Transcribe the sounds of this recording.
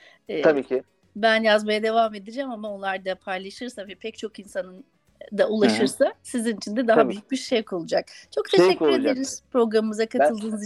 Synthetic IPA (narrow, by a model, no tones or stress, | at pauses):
ɛːabiːkɪ | bænjazmajad̪e̞vame̞d̪id͡ʒɛmamao̞nlˠaɾd̪apʰajlˠaʃɯɾsavɛpʰɛc̚t͡ʃʰo̞kinsanɯn | d̪aʔulˠaʃɯɾsasizinit͡ʃʰind̪ɛd̪aɦabbyjyk̚biɾʃejkʰo̞lˠud͡ʒak̚t͡ʃʰo̞kt̪ʰeʃɛcːyɾed̪eɾiz̥pɾo̞ɡɾamɯmɯzakʰat̪ɯlˠd̪ɯːnɯz